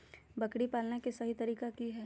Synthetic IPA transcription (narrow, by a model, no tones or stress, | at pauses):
bɐkɽipaːlnekesɐɦit̪ɐɾiːkakiɦɛː